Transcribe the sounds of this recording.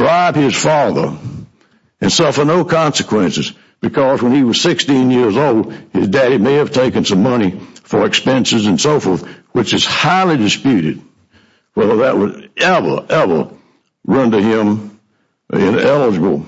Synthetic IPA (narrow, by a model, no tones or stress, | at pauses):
dɹaɪb̥̚ɪz̥fɑðə̰˞ | ɨ̃nsʌfə˞noʊkʰɑ̃nsɨkʰw̥ɛ̃nsɨz | b̥ɨkʰʌzwə̃niwʌz̥sɪkstĩnjɪɹzoʊlˠd̥̚ɪzdɛɾimeɪɨv̥tʰeɪkɨ̃nsʌ̃mʌnifə˞ɨkspɛ̃nsɨzɨ̃nsoʊfɔɹθwɨt͡ʃɨz̥haɪlˠidɨspjʉɾɨd̚ | wɛlˠðɨʔ̚wʌɾɛvə̰˞ʔɛvə̰˞ | ɹʌ̃ntɨɪ̃m | ɪ̰̃nɛlˠəd͡ʒɨbl̩ˠ